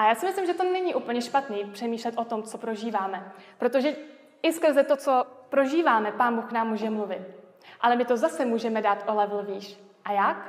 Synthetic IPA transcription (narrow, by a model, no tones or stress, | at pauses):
ʔajaːsɪmɪslɪmʒɛt̪o̞nɛɲiʔupl̩ɲɛʃpat̪niːpr̥ɛmiːʃlɛt̪ʔo̞t̪o̞mt͡so̞pɾo̞ʒiːvaːmɛpɾo̞t̪o̞ʒɛ | ɪskr̩zɛt̪o̞t͡so̞pɾo̞ʒiːvaːmɛpaːnbuːxknaːmːuːʒɛmluvɪt̪̚ | ʔalɛmɪt̪o̞zasɛmuːʒɛmɛdaːt̪ʔo̞lɛvl̩viːʃ | ʔajak